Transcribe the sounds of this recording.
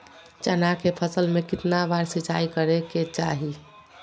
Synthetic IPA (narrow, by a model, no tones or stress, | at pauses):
t͡ʃənakepʰəsəlmekɪt̪nabaɾsit͡ʃaikəɾeket͡ʃaɦi